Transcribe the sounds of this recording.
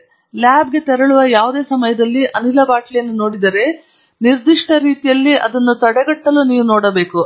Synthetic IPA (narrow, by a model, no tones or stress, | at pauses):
laːb̚ɡe̞t̪ɛɾɐɭuʋɐjaːʋud̪e̞ːsɐmɐjɐd̪ɐlːiʔɐnilɐbaːʈlijɐnːuno̞ːɽid̪ɐɾe̞ | niɾd̪iʂʈɐɾiːt̪ijɐlːiʔɐ̰d̪ɐnːut̪ɐɽɛɡɐʈːɐluniːʋunoːɽɐbe̞ːku